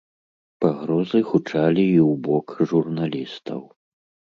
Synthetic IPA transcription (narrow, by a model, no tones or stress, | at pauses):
paɣɾɔzɨxut͡ʂalʲiiwbɔkʐurnalʲist̪ɐ̰w